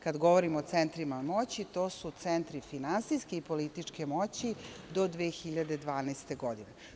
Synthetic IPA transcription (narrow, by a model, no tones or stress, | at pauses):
kad̪ɡo̞ʋoɾimoot̪sent̪ɾimamo̞t͡ɕit̪o̞ːsut̪sent̪ɾifinansiskeipolit̪it͡ʂke̞mot͡ɕid̪o̞d̪ʋeːxiʎad̪e̞d̪ʋaːnɛst̪e̞ɡo̞d̪ine